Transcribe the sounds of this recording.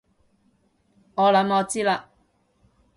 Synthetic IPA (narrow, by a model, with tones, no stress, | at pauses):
ŋɔː˨˧lɐ˨˥mɔː˨˧t͡siː˥la˧ʔ